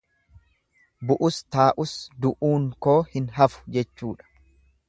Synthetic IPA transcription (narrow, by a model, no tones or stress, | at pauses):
bʊʔʊst̪aːʔʊsd̪ʊʔuːŋko̞ːhɪnɦɐfʊ̥d͡ʒɛt͡ʃːuːᶑɐ̥